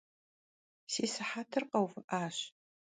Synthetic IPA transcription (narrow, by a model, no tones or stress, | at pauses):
seːsɨħaːtʰɨrqɐwvɨʔaːɕ